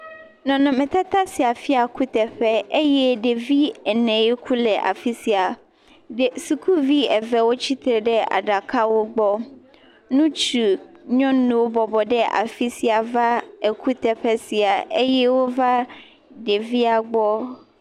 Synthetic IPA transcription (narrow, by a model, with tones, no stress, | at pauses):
nɔ̃˨nɔ̃˨mɛ̃˨t̪a˦t̪a˦si˨a˨fi˦a˨ku˦t̪ɛ˨ɸɛ˦ʔe˦jɛ˦ɖe˨vi˦ɛ˨nɛ̃˨je˦kʰu˦lɛ˨ʔa̰˨fi˦si˨a˨ | ɖe˨su˨kʰu˦vi˦ɛ˨vɛ˨wo˦t͡ɕi˦t̪ɾe˨ɖɛ˦a̰˨ɖa˨ka˦wo˦ɡ͡bɔ˦ | nũ˦t͡ʃu˨ɲɔ̃˦nũ˨wo˦bɔ˨bɔ˨ɖɛ˦ʔa̰˨fi˦si˨a˨va˦e˨ku˦t̪ɛ˨ɸɛ˦si˨a˨e˦jɛ˦wo˦va˦ | ɖe˨vi˦a˨ɡ͡bɔ˦